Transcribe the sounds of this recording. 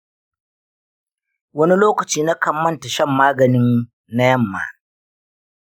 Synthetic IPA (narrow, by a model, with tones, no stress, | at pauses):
wɐ˦ni˦loː˦kɐ˨t͡ʃiː˦na˦kɐ˨mːɐ˦nta˨ʃɐ˦˨mːaː˦ɡɐ˨nɪ˦n | na˦jɐ˦˨mːa̰ː˨